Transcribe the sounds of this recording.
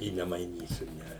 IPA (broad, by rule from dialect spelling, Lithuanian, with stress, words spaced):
ɪ nʲɛmɐɪˈnʲiːsʲʊ ˈnʲɛ